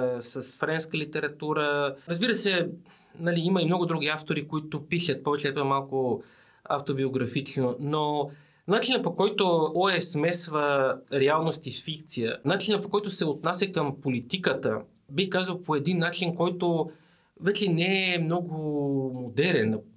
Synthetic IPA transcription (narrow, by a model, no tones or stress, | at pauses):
sɐsfɾɛnskəlit̪ɛɾɐt̪uɾəɾəzbiɾəsɛ | nɐliimɐimnɔɡʊd̪ɾuɡ̟ʲiaft̪oɾikoit̪ʊpiʃət̪̚pɔvɛt͡ʃɛɛt̪oɛmalˠkʊ | a̰ft̪obioɡɾɐfit͡ʃnono | nat͡ʃinəpokɔjt̪ʊɔɛsmɛsvəɾɛalˠnost̪ifikt̪sijənat͡ʃinɐpokɔjt̪ʊsɛot̪nasʲɐkɐmpolit̪ikət̪ə̰ | bixkazvɐlˠpoɛd̪inːat͡ʃinkɔjt̪o | vɛt͡ʃɛnɛːmnɔɡʊmod̪ɛɾɛn